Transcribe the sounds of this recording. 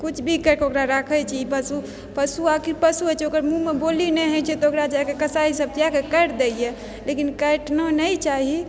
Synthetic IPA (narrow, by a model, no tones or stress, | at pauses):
kut͡ʃʰbʱikəɾkeokɾaɾakʰɛt͡ʃʰɛipəsu | pəsuakiɾpəsuɦət͡ʃʰɛokəɾmũmebolinɛɦɛt͡ʃʰɛt̪ɔokɾad͡ʒakekəsaisəb̚t̪akekəʈd̪eje | lekinkəʈnɔnəjt͡ʃaɦi